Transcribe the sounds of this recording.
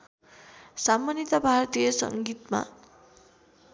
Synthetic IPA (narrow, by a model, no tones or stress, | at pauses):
samːanit̪ʌbʱart̪ijʌsʌ̰ŋɡit̪ma̰